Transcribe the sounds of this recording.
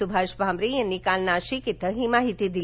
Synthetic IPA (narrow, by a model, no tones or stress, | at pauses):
ubʱaʃbʱamɾijənːikalnaʃikit̪əɦimaɦit̪id̪i